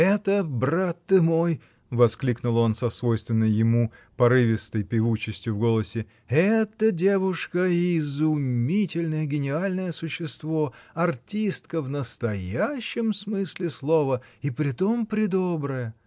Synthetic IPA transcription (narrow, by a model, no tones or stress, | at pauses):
ɛt̪əbrat̪ːɨmo̞j | vɐsklʲiknʊlˠo̞nsɐsvo̞jst̪vʲɪnːəjjːɪmupɐɾɨvʲɪst̪əjpʲɪvut͡ɕɪsʲtʲjʊvɡo̞lˠəsʲɪ | ɛt̪ədʲe̞vʊʂkəɪzʊmmmʲitʲɪlʲnəjəɡʲɪnʲɪalʲnəjəsʊɕːɪst̪vo̞ɐrtʲist̪kəvnəst̪ɐjaɕːɪmsmɨsʲlʲɪslˠo̞vəipɾʲɪt̪o̞mpɾʲɪd̪obɾəjə